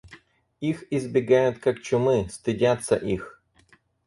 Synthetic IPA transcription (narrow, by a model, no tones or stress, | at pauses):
ixizbʲiɡajʊt̪ʲkɐkt͡ʃɔmɪst̪ɪdʲat̪sɐ̰ʔix